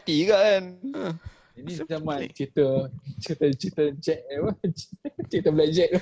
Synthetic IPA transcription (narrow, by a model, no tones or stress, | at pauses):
t̪iɡaɛn | inĩzamãnt͡ʃit̪ət͡ʃit̪ət͡ʃit̪əd͡ʒɛʔ̚ɛba | t͡ʃit̪əblɛd͡ʒɛʔ̚